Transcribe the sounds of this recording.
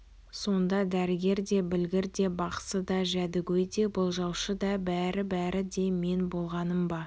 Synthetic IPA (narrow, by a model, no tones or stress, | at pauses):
so̞nd̪ɑd̪æɾɪɡʲe̞ɾd̪e̞bɪlɡʲɪɾd̪e̞bɑqsəd̪ɑʒæd̪ɪɡʲɵjd̪e̞bʊlˠʒɑwʃəd̪ɑbæɾɪbæɾɪd̪e̞me̞nbo̞lˠʁɑnəmbɑ